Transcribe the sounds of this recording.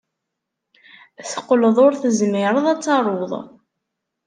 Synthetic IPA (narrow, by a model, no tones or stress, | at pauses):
θə̥qːləðˤʊɾθəzmɪɾˤəðˤæt͡sːɑɾˤoðˤ